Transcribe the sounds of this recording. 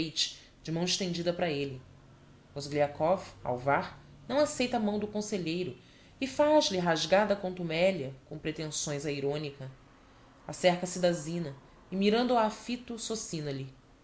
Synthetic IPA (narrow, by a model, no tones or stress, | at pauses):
ejt͡ʃɪ̥ | d͡ʒɪmɐ̃w̃ɪʃt̪ẽnd͡ʒid̪ɐpɾɐelɪ | ozɡliakɔva̰wvaɾ | nɐ̃w̃asejt̪ɐamɐ̃w̃d̪ʊkõseʎejɾʊ | ɪfaʒlɪɦaʒɡad̪ɐkõt̪umɛljɐkõw̃pɾet̪ẽsõj̃zɐiɾõnikɐ | asɛhkɐsid̪azĩnɐ | ɪmiɾɐ̃nd̪ʊaːfit̪ʊsosĩnɐlɪ